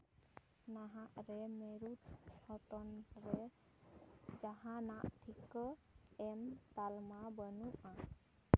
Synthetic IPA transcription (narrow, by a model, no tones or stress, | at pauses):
naɦaʔɾɛmɛɾut̪sɔt̪ɔnɾɛ | d͡ʒaɦanaʔʈʰikəɛmt̪almabənuʔa